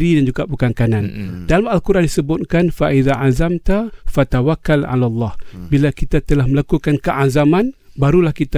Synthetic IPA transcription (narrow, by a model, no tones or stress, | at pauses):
ɾidand͡ʒuɡapəkaŋkanandalamalkuɾʔandisəbʊt̪̚kanfaʔiðaʔazamt̪afat̪awakːalʕa̰lalˤːɑhbilakit̪at̪əlahməlakukankəʔazamanbaɾulahkit̪a